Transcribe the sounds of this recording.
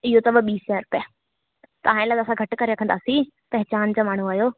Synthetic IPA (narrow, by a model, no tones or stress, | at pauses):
ɪɦot̪ɐbəɓiːsaːɾʊpja | t̪ɐʋ̤ãːɪ̃laɡaːsãɡʱɐʈkɐɾeɾɐkʰə̃nd̪aːsĩ | pɛɦɪt͡ɕaːnd͡ʑaːmaːɳ̤uaːɦijoː